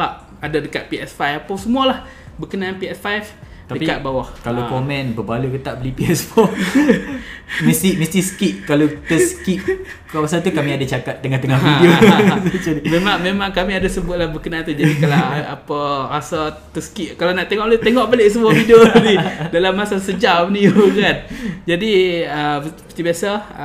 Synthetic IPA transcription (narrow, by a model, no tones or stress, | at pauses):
baʔ | adadəkat̪̚piɛsfajfapasəmualah | bəkənaanpiɛsfajf | t̪adəikat̪̚bawahkalokomɛ̃nbəbalukət̪aʔbəlipiɛsfɔ | məst̪iməst̪isə̥kiʔ̚kalot̪əskiʔ | kaasat̪ukamiadat͡ʃakat̪̚dəŋaht̪əŋahiiost͡ʃadimemaŋmemãŋkamiadasəbʊt̪̚lahbəkənaant̪ud͡ʒadialaapərasa | t̪əsə̥kiʔkalanaʔt̪eŋɔʔbaleʔt̪eŋɔʔbaleʔsəmuafidionidalamːasasəd͡ʒapniukand͡ʒadiəpət̪ibiasa